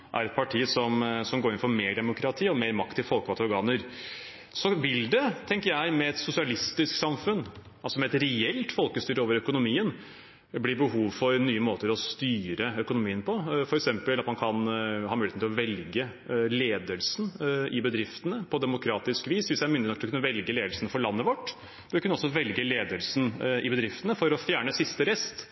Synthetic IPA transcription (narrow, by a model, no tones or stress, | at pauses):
ʔæ̰ɾɛt̪̚pʰɑʈʰiːsɔmsɔmɡoːɾɪnfɔɾmeːɖɛmʊkʰɾɑt̪ʰiːɔmeːɾmɑkt̪ɪfɔlkəɑt̪ɔɾɡɑːnəɾ | sɔʋɪld̪ɛt̪ʰɛŋkəɾjæɪmɛɛt̪sʊsɪɑlɪst̪ɪsksɑmfʉnː | ɑlsɔmɛɛt̪ɾɛɛlt̪fɔlkəst̪yːɾəoːʋəɾœkʊnʊmiːən | bliːbəɦuːʋfɔɾnyːəmoːt̪əɾɔst̪yːɾəœkʊnʊmiːənpʰɔfɔɾɛksɛmpəlɑt̪mɑnkʰɑnhɑːmʉːlet̪nʰɪlɔʋɛlɡə | leːd̪əlsnɪbəd̪ɾɪft̪ənəpʰɔd̪ɛmʊkʰɾɑːt̪ɪskʋiːsʋɪsjæmʏnd̪ɪnɔkːt̪ɔkʰʉnːəʋɛlɡəleːd̪əlsənfɔɭɑnːəʋɔʈː | ɛʋɪkʉnːəɔsɔʋɛlɡəleːd̪əlsn̩ɪbəd̪ɾɪft̪ənəfɔɾɔfjæːɳəsɪst̪əɾɛst̪